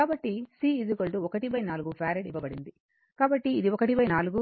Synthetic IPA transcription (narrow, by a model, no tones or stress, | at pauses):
aːbɐʈːisiːid͡ʒukɐlʈuɔkɐʈipɐjnaːluɡupʰaːɾeɖiʋɐbɐɽind̪i | kaːbɐʈːiːd̪iɔkɐʈipɐjnaːluɡu